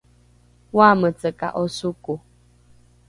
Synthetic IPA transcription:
waːmət͡səka̰ʔɔsuko

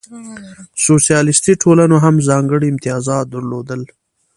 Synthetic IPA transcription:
sosijɑlɪst̪iʈʰolanoɦamzɑŋɡəɽiɪmt̪ijɑzɑd̪əɾlod̪əl

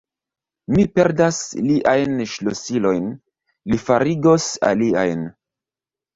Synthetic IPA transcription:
mipe̞ɾdasliʔajnʃlosilo̞jn | lifaɾiɡo̞sa̰lia̰jn

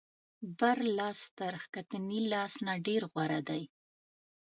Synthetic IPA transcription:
baɾlɑst̪aɾxkat̪ənilɑsnaɖeɾɣwaɾad̪aj

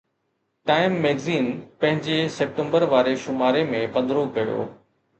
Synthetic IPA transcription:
ʈaːɪmːeːɡziːnpɐ̃ɦɪ̃ɲd͡ʑeseːp̚ʈẽmbəɾʋaːɾeʃʊmaːɾemẽpɐ̃nd̪ɾokɐjo̰ː

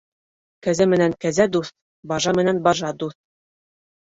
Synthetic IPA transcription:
kæzæmɘ̆næŋkæzæd̪uθ | bɑʒɑmɘ̆nænbɑʒɑd̪uθ

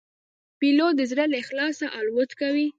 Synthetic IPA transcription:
pilod̪əzɾəlexlɑsaʔɑlwʊt̪kawi

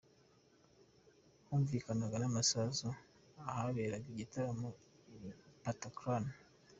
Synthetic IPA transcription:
huːɱviːkanaɡanamasazu | ahaβeːɾaɡiɟitaɾamo | ipatakɾan

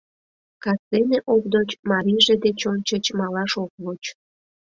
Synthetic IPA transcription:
kɑt͡seneʔokd̪ot͡ɕmɑɾiʒed̪et͡ɕont͡ɕət͡ɕmɑlɑʃok̚βot͡ɕ

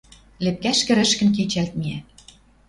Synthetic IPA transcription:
lep̚kæʃkɘ̆ɾɘ̆ʃkɘ̆nk̬et͡ɕælt̪̚miæ

